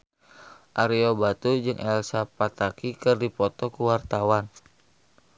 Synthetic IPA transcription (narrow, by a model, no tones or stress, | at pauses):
ʔaɾiobat̪ud͡ʒɨŋʔɛlsapat̪akikɨrdipɔt̪ɔkuwart̪awan